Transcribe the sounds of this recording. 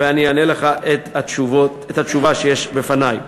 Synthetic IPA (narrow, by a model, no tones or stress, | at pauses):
veanijaneleχaʔet̪aʃuvotet̪hat̪t͡ʃuvaʃejeʃbefanaj